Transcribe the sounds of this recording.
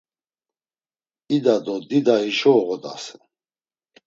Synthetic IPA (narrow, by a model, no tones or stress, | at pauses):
id̪ad̪ɔd̪id̪aiʃɔɣɔd̪a̰sɛ̥